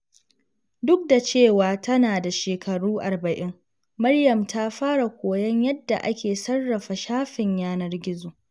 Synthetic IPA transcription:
dʊ˦k̚da˨t͡ʃeː˦˨waː˨tɐ˦naː˨da˨ʃeː˨kʰɐ˨ɽuː˦ʔa˨rbɐ˨ʔɪ˦ŋ | mɐ˦rjɐ˨mta˦ɸaː˦ɽa˨kʷoː˨jɐ˦ɲjɐ˦dːa˨ʔa˦kʲeː˨sɐ˦rːɐ˨ɸa˨ʃaː˦ɸɪ˨ɲjaː˦nɐ˦rɡʲɪ˦zoː˨

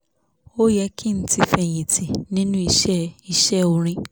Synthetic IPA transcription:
o˦jɛ˦kʰi˦˨n̩˨˦ti˦fɛ˨j̃ĩ˨tʰi˨nĩ˦nũ˦i˨ʃɛ˦i˨ʃɛ˦o˧ɾ̃ĩ˦

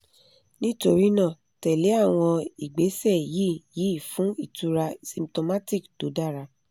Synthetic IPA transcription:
nĩ˦to˧ɾi˦nã˦˨ | tɛ˨le˨˦a˦˨w̃ɔ̃˧i˨ɡ͡be˨˦sɛ˦˨ji˨˦ji˨˦˨fũ˨˦i˦˨tu˧ɾa˧sĩ˧mto˧ma˦ti˦˨kd̥o˨˦da˦˨ɾa˧

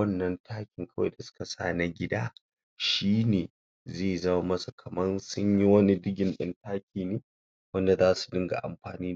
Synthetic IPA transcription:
ɐ˦nːɐ˦ntaː˦kʲɪ˨ŋkɐ˦wa̰˨da˨sʊ̥˦ka˨sa̰ː˦˨na˦ɡʲɪ˦da̰ː˦ | ʃiː˦neː˨ | zeː˦˨zɐ˦ma˦mɐ˦su˨kʰɐ˨mɐ˦nsʊ˦ɲji˦wɐ˦ni˦dɪ˦ɡʲɪ˨nɗɐ˦ntaː˦kʲiː˨neː˦ | wɐ˦nda˨zaː˦su̥˨dɪ˦ŋɡa̰˨ʔa̰˨mɸaː˨niː˦˨

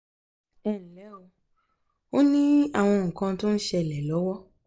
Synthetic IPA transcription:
ɛ˦˨n̩˨lɛ˨˦o˧ | o˦nĩ˦a˦˨w̃ɔ̃˧ŋ̩˨kã˧to˦n̩˦ʃɛ˧˨lɛ˨lɔ˨˦wɔ˦

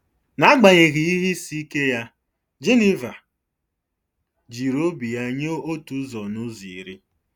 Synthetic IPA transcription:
na˨˦ɡ͡ba˨ɲe˨ɣi˨i˦ɦi˦si˦i˦ke˦ja˦ | d͡ʒe˦ni˦va˨ | d͡ʒi˨ɾo˦bi˨a˨ɲo˦o˦tu˨˦zɔ˨nʊ˦zi˨ɾḭ˦

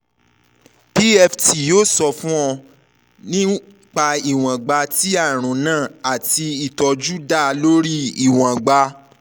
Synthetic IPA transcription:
pi˦ɛ˧fti˨jo˦sɔ˧fũ˦ɔ˧ | nĩ˦ | k͡pa˧i˨w̃ã˨ɡ͡ba˧ti˦a˦˨ɾ̃ũ˨nãː˦˨a˨ti˧i˨tɔ˨d͡ʒu˦da˦˨˧lo˦ɾi˦i˨w̃ã˨ɡ͡ba˧

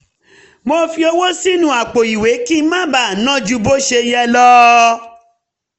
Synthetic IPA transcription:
mo˧fi˧o˧wo˦si˦nũ˧˦a˨k͡po˨i˨we˨˦ki˦mã˦ba˦˨nã˦d͡ʒu˧bo˦ʃe˧jɛ˦lɔ˦

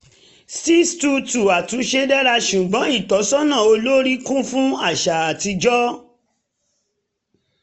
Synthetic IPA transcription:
si˦stu˧tu˨a˨tũ˨˦ʃe˧dɛ˦ɾa˧ʃu˨ɡ͡bɔ̃˨˦i˦˨tɔ˨˦sɔ˦nã˦˨o˧lo˦ɾi˦kũ˦fũ˦a˦˨ʃa˨a˨ti˧d͡ʒɔ˦

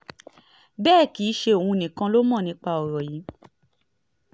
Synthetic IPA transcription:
bɛː˦˨ki˨˦ʃe˧o˨wũ˧˨nĩ˨kã˧lo˦mɔ̃˦˨nĩ˧˦k͡pa˧˨ɔ˨ɾɔ˨ji˨˦

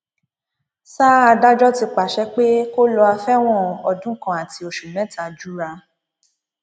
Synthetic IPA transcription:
saː˦a˧da˦d͡ʒɔ˦ti˧k͡pa˨ʃɛ˧˦k͡pe˦ko˦lɔ˧a˧fɛ˦w̃ɔ̃˦˨ɔ˨dũ˨˦kã˦˨a˨ti˧˦o˨ʃu˨mɛ̃˨˦ta˨d͡ʒu˦ɾa˧

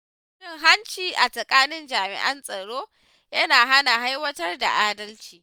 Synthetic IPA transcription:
ɪ˦ŋɦa˦nt͡ʃiː˨ʔa˨sʼɐ˨kʼaː˦nɪ˦nd͡ʒaː˨mɪ̰˨ʔɐ˦nsʼɐ˨ɽoː˦ | jɐ˦naː˨ɦa˦na˨ɦa˦jwɐ˦tɐ˦rda̰˨ʔaː˦dɐ˦lt͡ʃiː˨

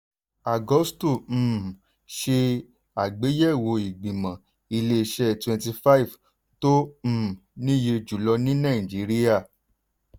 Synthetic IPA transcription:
a˨ɡɔ˨˦stu˦˨m̩˨ | ʃe˧ | a˨ɡ͡be˨˦jɛ˦˨wo˧i˨ɡ͡bĩ˨mã˨ | i˧le˦˧ʃɛ˦twɛ̃˧nti˧fa˦i˨v | tõ˦˨ | nĩ˦je˧d͡ʒu˨lɔ˧nĩ˦nã˦˨ĩ˨d͡ʒi˨˦ɾi˦ja˦˨

